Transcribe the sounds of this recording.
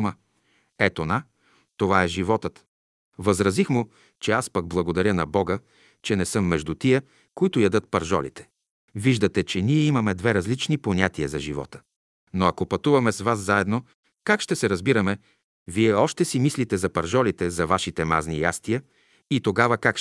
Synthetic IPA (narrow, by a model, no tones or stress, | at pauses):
mə | ɛt̪ona | t̪ːovaɛʒivɔt̪ət̪ | vɐzɾɐzixmʊ | t͡ʃɛaspəɡ̚blˠɐɡod̪ɐɾʲjənɐbɔɡə | t͡ʃɛnɛsɤmːɛʒd̪ut̪iə | koit̪ʊjɐd̪ɤt̪̚pɐɾʒɔ̰lḭt̪ɛ̥ | viʒd̪ət̪ɛt͡ʃɛniɛimɐmɛd̪vɛɾɐzlit͡ʃniponʲat̪iəzɐʒivɔ̰t̪ə̥ | noɐkopɐt̪uvɐmɛsvaszaɛd̪no | kakʃt̪ɛsɛɾɐzbiɾəmɛ | viɛɔʃt̪ɛsimislit̪ɛzɐpɐɾʒɔlit̪ɛzɐvaʃit̪ɛma̰znija̰st̪iə | it̪oɡavəkak